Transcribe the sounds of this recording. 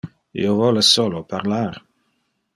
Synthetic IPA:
ḭovɔlesolopaɾlar

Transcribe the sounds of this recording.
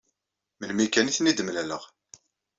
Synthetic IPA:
məlmikæniθnid̪əmlæləʁ

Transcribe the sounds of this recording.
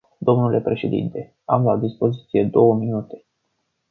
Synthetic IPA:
d̪o̞mnule̞pɾe̞ʃe̞d̪ḭnt̪e̞ | amlad̪ispo̞zit̪sije̞d̪o̞wəminut̪e̞̥

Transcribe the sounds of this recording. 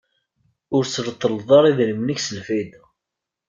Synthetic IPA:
ʊɾt͡sːlət̪ˤːəlðˤɑɾˤiðləmnəçsəlfid̪

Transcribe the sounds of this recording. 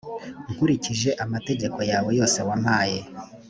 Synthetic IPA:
ŋkuɾiciʒe̞ʔamate̞ɟe̞ko̞jaːβo̞jo̞ːse̞wamaːje

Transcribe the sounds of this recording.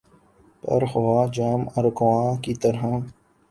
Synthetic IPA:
pɐ̰ɾxʊʋaːd͡ʒaːmɐɾkʊwãːkiːt̪əɾɦãː

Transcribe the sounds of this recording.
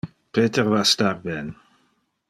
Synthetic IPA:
pʰeːt̪ɛʁvastaːʁbɛn

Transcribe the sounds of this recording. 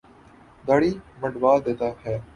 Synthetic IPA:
d̪aːɽiːməɖʋaːd̪eːt̪aːhɛː

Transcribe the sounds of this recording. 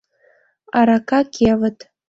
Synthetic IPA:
aɾakʰakʲʰʼevətʼ

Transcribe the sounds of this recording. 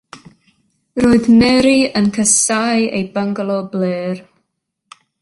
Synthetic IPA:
roːɨðmɛɾiənkʰəsajḛjbəŋɡlˠɔbleːr

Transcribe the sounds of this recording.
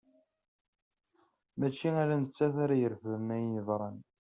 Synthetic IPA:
mæt͡ʃːiaɾænət͡sːæθaɾæjəɾfəmæjðˤɾˤɑn

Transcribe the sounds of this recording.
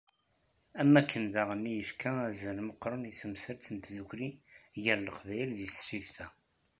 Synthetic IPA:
æmːækʰːənðaʁmːijəfkʰææzənməqːɾˤəniθəmsəɾt̪ənt̪ðuçɾiʝəɾləqvæjlðiθfivθæ

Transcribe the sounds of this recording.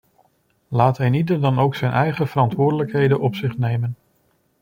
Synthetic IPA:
laːtɦɛjnidərdɑnowksɛjnʔɛjχəv̥ərɑntʋʊːɹdələkɦejdənʔɔpsɪχnejmən

